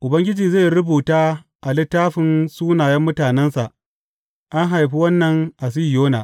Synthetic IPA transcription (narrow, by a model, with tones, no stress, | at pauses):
ʔʊ˨bɐ˦ŋɡʲɪ˦d͡ʒiː˨ze˦˨jɾʊ˦buː˨taː˦ | ʔa˨lɪ˦tːaː˦ɸɪ˨nsuː˦naː˨jɐ˦mːʊ˦taː˨nɛ˦nsa˨ʔ | ʔa˦ŋɦa˨jɸi˦wɐ˦nːɐ˨ŋʔa˨s̬i˦˨joː˦naː˨ʔ